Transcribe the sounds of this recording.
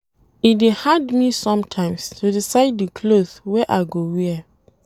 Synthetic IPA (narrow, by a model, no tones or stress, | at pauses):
idehadmisɔ̃mtʰãɪ̃mstʰudisaɪddikʰloð̥wɛʔaɪɡowiɛ